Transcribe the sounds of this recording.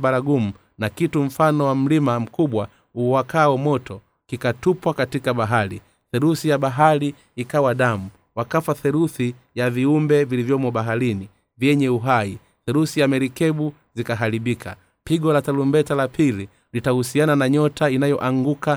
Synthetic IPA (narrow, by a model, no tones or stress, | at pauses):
ɓaɾaɡum̩ | nakitum̩fanɔwam̩limam̩kuɓwa | uwakaɔmɔtɔ | kikatupwakatikaɓaɦaɾi | θɛɾuθijaɓaɦaɾiː | kawaɗamu | wakafaθɛɾuθi | javiumbɛvilivjɔmɔɓaɦaɾini | vjɛɲɛuɦai | θɛɾuθijamɛɾikɛɓu | zikaɦaɾiɓikʰa̰ | piɡɔlatalumbɛtalapili | litahusiananaɲɔtainajɔʔaŋɡuka